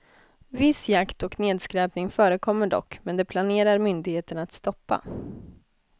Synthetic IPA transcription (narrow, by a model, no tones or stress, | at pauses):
vɪsjakt̪ɔkneːd̪skɾɛːpnɪŋfœːɾəkʰɔmːəɖɔ̰kːmɛnd̪ɛpʰlaneːɾaɾmʏnd̪ɪɡheːt̪ənat̪st̪ɔpːa̰